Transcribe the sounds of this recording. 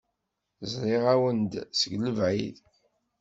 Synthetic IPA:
zˤɾˤɪʁæwənd̪səɡləvʕḭð

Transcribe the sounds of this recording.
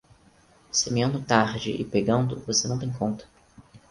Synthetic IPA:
semiɐ̃nd̪ʊt̪aɾd͡ʒɪʔɪpeɡɐ̃nd̪ʊvosenɐ̃w̃t̪ẽj̃kõnt̪ɐ̥

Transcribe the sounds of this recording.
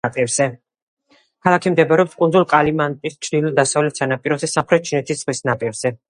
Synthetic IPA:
pʼɛɾz̥ɛ | kʰalˠakʰimd̪ɛbɾɛɔpskʼunzulˠqʼalimant̪ʼist͡ʃʰɾd̪ilulˠd̪asavlɛt̪sanapʼiɾɔzɛsamχɾɛt̪̚t͡ʃʰinɛt̪ʰissχlisnapʼiɾz̥ɛ

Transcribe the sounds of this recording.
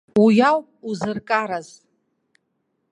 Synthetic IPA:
ujaw | uzɨrkʼaɾaz

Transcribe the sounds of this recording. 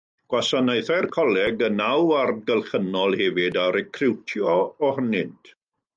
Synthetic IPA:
ɡ̥wasanejθajrkʰɔlˠɛɡənawardɡəlˠχənɔlˠhɛvɪdaɾɛkʰrɪwtʰjɔːhənɪnd̥

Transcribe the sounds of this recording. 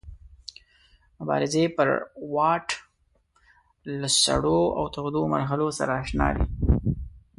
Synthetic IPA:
mʊbɑ̰ɾɪzepə̰ɾwɑʈ | lasa̰ɽoa̰wt̪aɣd̪oma̰ɾɦalosaɾaːʃnɑ̰d̪ḭ

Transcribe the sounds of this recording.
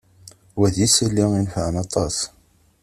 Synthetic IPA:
wæðjisəlːiŋinfʕənɑt̪ˤɑs

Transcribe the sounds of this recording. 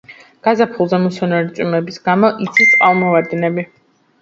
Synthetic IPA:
ɡ̥azapʰulˠzɛmusɔnɔɾit̪sʼimɛbisɡamɔʔit̪sʰist̪qʼalˠmɔvaɾd̪nɛbi

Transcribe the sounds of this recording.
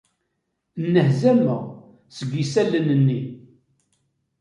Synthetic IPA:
nːəhzæməʁ | səɡisælːənənːi

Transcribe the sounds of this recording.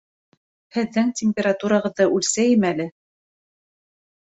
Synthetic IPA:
hɘ̆ðːɘŋtʲɪmʲpʲeɾat̪uɾɑʁɤ̆ðːɤʔʉlsæjɘmælɘ

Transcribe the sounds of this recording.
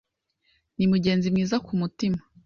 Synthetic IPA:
nimuɟe̞ːnzimŋiːzakumutima

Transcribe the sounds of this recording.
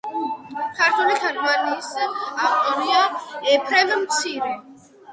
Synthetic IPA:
kʰaɾt̪ʰwɛlikʰɛɾvanisaχɔɾiaɛpʰɾɛvmt̪sʰiɾɛ

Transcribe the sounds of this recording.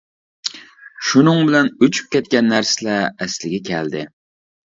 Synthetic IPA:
ʃunɨŋbɪlɛnøt͡ʃʰy̥p̚kʲɛt̪̚kʲɛnːæɾsɪlɛːslɪɡʲɛkʲʰɛld̪ɪ

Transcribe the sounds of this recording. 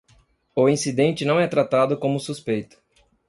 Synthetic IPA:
ʊĩsid̪ẽnt͡ʃɪnɐ̃w̃ɛt̪ɾat̪ad̪ʊkõmʊsuspejt̪ʊ̥

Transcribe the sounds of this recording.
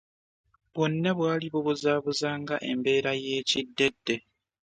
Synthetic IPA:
βwonːaβwaːliβuβuzaːβuzaːŋɡaʔe̞̰mbe̞ːɾaje̞ːcidːe̞dːe̞

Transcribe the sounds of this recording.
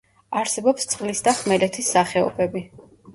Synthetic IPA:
aɾsɛbɔpst̪sʼqʼlisd̪aχmɛlɛt̪ʰisːaχɛɔ̰bɛbi

